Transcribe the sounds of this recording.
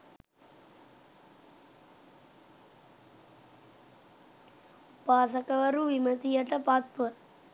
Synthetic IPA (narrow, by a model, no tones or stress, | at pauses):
paːsɐkɐʋɐɾuʋimɐt̪ijɐʈɐpaːt̪ʋɐ